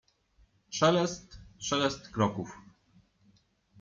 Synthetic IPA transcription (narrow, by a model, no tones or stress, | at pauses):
ʂɛlɛst̪ʂɛlɛst̪kɾɔkuf